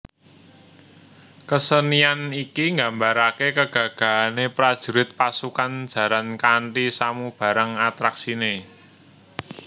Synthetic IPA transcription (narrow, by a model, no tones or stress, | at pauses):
kəsənianikiŋɡambaɾakekəɡ̥ä̤ɡ̥a̤anepɾad̥ʒ̥ṳɾɪt̪̚pasukand̥ʒ̥ä̤ɾankaɳʈisamub̥ä̤ɾəŋat̪ɾaksine